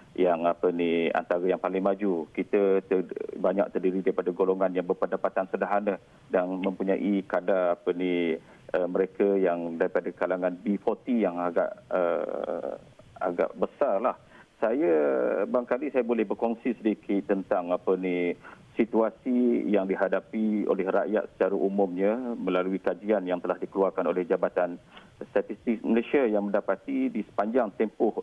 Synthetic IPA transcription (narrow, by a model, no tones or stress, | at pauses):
jaŋapənia̰nt̪aɾəjaŋpalɪŋmad͡ʒukit̪ət̪əbaɲa̰kʔ̚t̪ərdiɾidaɾipadaɡoloŋanjaŋbərpəndapat̪ansədaɦanə | danmə̃mpuɲaʔikadaapəni | ʔəməɾekəjaŋdaɾipadakalaŋanbifot̪ijaŋaɡa̰ʔə̰ | a̰ɡa̰ʔbəsarlah | sajabaaŋkalisajabolɛhbərkɔŋsisədikʰɪt̪̚ːənt̪aŋapənisit̪uasijaŋdiɦadapio̰lɛhraʔja̰t̪̚sə̥t͡ʃaɾaʔumʊmɲəməlaluikad͡ʒianjaŋt̪əlahdikəluarkanolɛhd͡ʒabat̪an | st̪at̪ist̪ɪk̚məlesiajaŋmə̃ndapat̪idisə̥paɲd͡ʒaŋt̪ɛmpʊh